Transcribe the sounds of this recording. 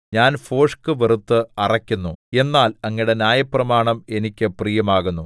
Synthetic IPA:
ɲaːnfo̞ːʂkɨʋerut̪ːɨɐrɐkʲːunːue̞nːaːlɐŋːiɽe̞nʲjaːjɐprɐmaːɳɐme̞nikʲːɨprijɐmaːɣunːu

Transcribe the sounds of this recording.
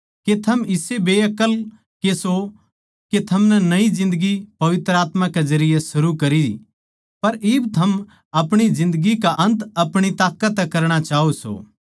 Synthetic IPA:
ket̪ʰɐmɪsebeːɐkəl | keso | ket̪ʰɐmnɛnɐizɪ̃nd̪əɡipɐʋɪt̪ɾəaːt̪mãkezɐɾɪjesʊɾukɐɾi | pɐɾɪbt̪ʰɐm | ɐpɽ̃izɪ̃nd̪əɡikaʔɐ̃nt̪ɐpɽ̃it̪aːkət̪ːɛkɐɾɽ̃at͡ʃaːɦoso̰ː

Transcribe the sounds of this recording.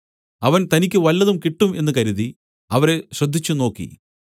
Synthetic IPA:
ɐʋɐnt̪ɐnikʲːɨʋɐlːɐðumkiʈːume̞nːɨkɐɾiði | ɐʋɐɾe̞ɕrɐd̪ʱːit͡ɕːuno̞ːkːḭ

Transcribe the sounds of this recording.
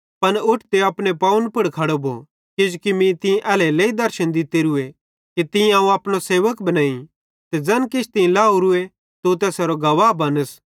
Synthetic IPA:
pɐnʊʈʰt̪eɐpɽepaːʊnpʊɽkʰɐɽobʱo̰ | kɪd͡ʒukimĩt̪ɪ̃ʔɛːleleːid̪ɐɾʃənd̪ɪt̪eɾue | kit̪ɪ̃ãːũɐːpɽ̃oseːʋəkbɐnãːĩ | t̪ɛd͡ʒɐnkɪt͡ʃʰt̪ɪ̃ĩlaːuɾʊe | t̪ot̪ɛːsɐɾoɡɐʋaːbɐnəs

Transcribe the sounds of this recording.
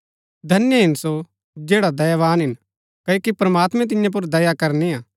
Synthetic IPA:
d̪ʱɐnjəɦɪnso | d͡ʒeːɽad̪ɐjaʋaːnɦɪn | kɐoːkipɾɐmaːt̪mɛ̃t̪̬ɪ̃jãp̬ʊɾd̪ɐjakɐɾniãː

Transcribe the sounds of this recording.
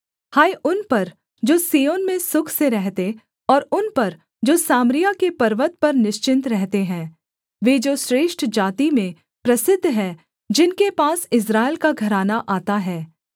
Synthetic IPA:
haːiʔʊnpɐɾ | d͡ʒoːsiːjoːnmẽsʊkʰseɾɛɦt̪e | ɔːɾʊnpɐɾ | d͡ʒoːsaːmɾijakepɐɾʋət̪̚pɐɾnɪʃt͡ʃɪ̃nt̪ɾɛɦt̪eɦɛ̃ː | ʋeːd͡ʒoːʃɾeːʃʈʰd͡ʒaːt̪imẽ | pɾɐsɪd̪ʱːɦɛ̃ː | d͡ʒɪnkepaːsɪs̬ɾaːɪlkaɡʱɐɾaːnaʔaːt̪aɦɛː

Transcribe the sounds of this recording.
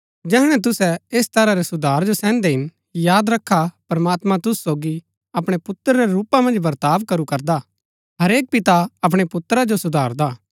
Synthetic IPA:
d͡ʒɛːɽ̃ɛ̃t̪̬ʊsɛeːst̪ɐɾaɾesʊd̪ʱaːɾd͡ʒosɛ̃ːnd̪ɛɦɪn | jaːd̪ɾɐkʰːapɾɐmaːt̪mãt̪ʊssoːɡi | ɐpɽ̃epʊt̪ːəɾɾeɾuːpamɐ̃nd͡ʒbɐɾt̪aːʋkɐɾukɐɾd̪a | ɦɐɾeːk̚pɪt̪aɐp̬ɽ̃epʊt̪ɾad͡ʒosʊd̪ʱaːɾd̪aː

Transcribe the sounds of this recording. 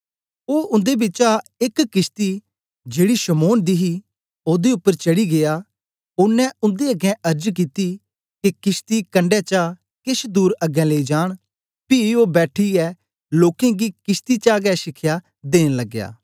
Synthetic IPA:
oːʔʊ̃nd̪ebɪt͡ʃaɪkːɪst̪i | d͡ʒeːɽiʃɐmoːnd̪iɦi | oːd̪eʊpːəɾt͡ʃɐɽiɡea | ʊnːɛ̃ʊ̃nd̪eɐɡɛ̃ʔɐɾd͡ʒk̬iːt̪i | kekɪst̪ikɐ̃ɳɖɛt͡ʃa | kɪʃd̪uːɾɐɡɛ̃leid͡ʒaːɽ̃ | pioːbɛːʈʰiɛː | loːkẽɡikɪst̪it͡ʃaːɡɛʃɪkʰja | d̪eːñlɐɡːja̰ː

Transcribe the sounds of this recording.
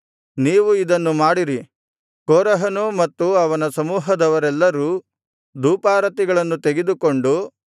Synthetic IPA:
niːʋuid̪ɐnːumaːɽiɾi | koːɾɐɦɐnumɐt̪ːuɐʋɐnɐsɐmuːɦɐd̪ɐʋɐɾɛlːɐɾuː | d̪uːpaːɾɐt̪iɡɐɭɐnːut̪eɡed̪uko̞ɳɖu

